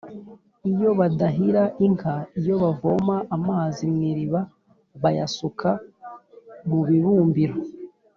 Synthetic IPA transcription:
ijo̞βadaɦiɾaʔiŋkaijo̞βavomaʔːmaːzimŋiɾiβa | βaja̰sukʰa | muβiβuːmbiɾo

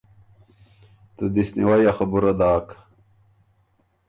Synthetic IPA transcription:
t̪əd̪isnḭwajaxɐbuɾɐd̪aːk

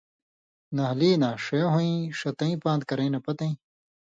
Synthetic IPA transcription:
nɐɦliːnãːʂejõɦõĩʂɐt̪ɐ̃ĩpãːnd̪̚kɐɾɐ̃ĩnɐpɐt̪ɐ̃ĩ

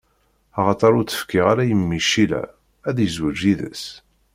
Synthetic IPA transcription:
ɑʁɑt̪ˤɑɾˤʊɾt͡sːə̥fkiʁaɾæjəmːiʃilæ̰ | æðjəzwəd͡ʒiðə̰s

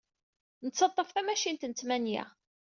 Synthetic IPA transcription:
nət͡sːɑt̪ˤːəfθæmæʃint̪nət͡smænjḭʁ

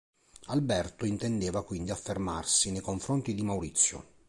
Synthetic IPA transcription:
albɛrt̪oint̪ɛnd̪eːvakwind̪iafːermarsinejkoɱfɾont̪id̪imawɾit̪sːjo̰

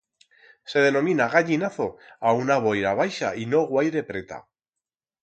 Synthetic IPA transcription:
se̞ð̞e̞nõ̞mĩnaɣaʎinaθo̞aunaβ̞ojɾaβ̞ajʃaino̞ɣwajɾe̞pɾe̞t̪a̰

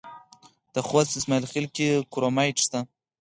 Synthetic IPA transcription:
d̪̥əxwasɪsmailxilkekuɾomajʈʃt̪a

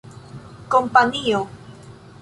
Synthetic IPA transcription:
kompaɲio

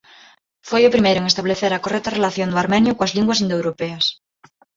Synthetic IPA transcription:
fojʊpɾimejɾʊeŋest̪aβleθeɾɐkorɛk̚t̪arelaθjond̪ʊaɾmẽnjʊkoazliŋɡwas̬ind̪oewɾopeɐs

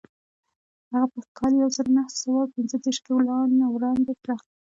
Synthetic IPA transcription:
haɣapəkʰɑljawzəɾonahsawawpɪnzəd̪eɾʃkiwlɑnawɾɑnd̪et̪ɾɑxd̪i

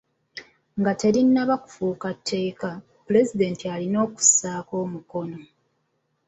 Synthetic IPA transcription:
ŋɡate̞ɾinːaβaku̥fuːkatʰːe̞ːka | pule̞zide̞ːntialino̞ːku̥saːko̞ːmuko̞no̞

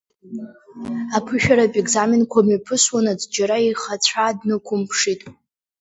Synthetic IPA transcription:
apʰɨʃᶣaɾapʼeɡzaminkʷʰamapʰɨswanad͡zd͡ʒaɾaiχat͡ɕʷʰaːdnɨkʷʰʊmpʰʂitʼ

